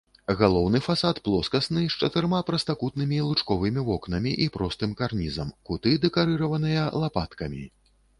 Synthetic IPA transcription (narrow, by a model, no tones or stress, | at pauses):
ɣalˠɔwnɨfasat̪plˠɔskɐsnɨʂt͡ʂɐt̪ɨɾmapɾɐst̪ɐkut̪̚nɨmʲilˠut͡ʂkɔvɨmʲivɔknɐmʲiʔipɾɔst̪ɨmkarnʲizɐ̰mkut̪ɨd̪ɛkaɾɨɾɐvɐnɨjɐlˠapat̪kɐmʲḭ